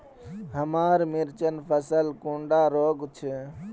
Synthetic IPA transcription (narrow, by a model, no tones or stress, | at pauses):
ɦəmaɾmiɾt͡ʃənpʰəsəlkuɳɖaɾoɡt͡ʃʰɛ